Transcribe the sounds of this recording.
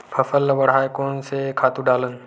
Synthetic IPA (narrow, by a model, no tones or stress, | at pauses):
pʰəfəlʋɐɽ̤aːjkoːnsekʰaːt̪ũɖaːlən